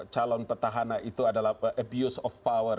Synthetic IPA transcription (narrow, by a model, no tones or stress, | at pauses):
t͡ʃalɔnpərt̪aɦananʔit̪uadalaʔəbjusɔfːawər